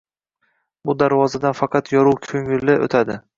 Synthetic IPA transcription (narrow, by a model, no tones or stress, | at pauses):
bʊd̪aɾvɒzad̪anfɑqʰɑt̪jɒɾuwkʲʰɵŋɪlːɪʔo̰t̪ʰad̪ɪ